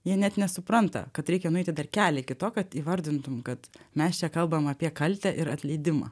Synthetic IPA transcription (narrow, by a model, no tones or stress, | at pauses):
jiɛnʲɛt̪nʲɛsʊpɾɐnt̪ɐ̰kɐt̪ɾʲɛɪkʲɛnʊɛɪt̪ʲɪd̪ɐrkʲæːlʲɛkʲɪt̪oːkɐt̪iːʋɐɾʲd̪ʲɪnt̪ʊmkɐt̪mʲɛst͡ʃʲɛkɐlˠbɐmɐːpʲiɛkɐlʲt̪ʲɛʔɪɾɐt̪ʲlʲɛɪd̪ʲɪmɑ̰